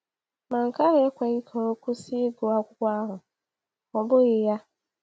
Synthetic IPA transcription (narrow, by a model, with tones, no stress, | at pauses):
mã˨ŋ̩˨ka˦ɾe˨˦kʷɛ˨ɣi˦kʰɔ˨o˦ku˦sɪ˦ɡo˨a˦kʷʊ˦kʷa˦ɦʊ̃˨ | ɔ˨bʊ˦ɣɪ˨ja˦